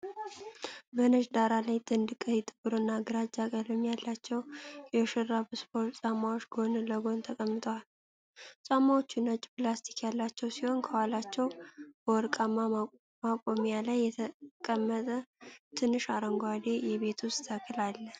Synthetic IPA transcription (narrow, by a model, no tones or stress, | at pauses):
bənəʃd̪aɾalajt̪ʼɨnd̪ɨkʼəjɛt̪ʼɨbɨɾonːaɡəɾad͡ʒakʼəlɨmjalːat͡ʃːɛwjɛʃɨrːabɨsfolsʼamawot͡ʃːɡo̞nləɡo̞nt̪ʰəkʼəmːɨt̪ʼəwal | t͡sʼamawot͡ʃːunət͡ʃʼːplast̪ʰi̥kjalːat͡ʃːɛwsiho̞nkʰəwalat͡ʃːɛwb̥əwɔɾkʼamːa | makʼo̞mjalajːɛt̪ʰəkʼəmːət̪ʼət̪ʰɨnːɨʃaɾəŋɡʷad̪ejɛβe̞t̪ʰust̪ʰəkʰːɨlalːə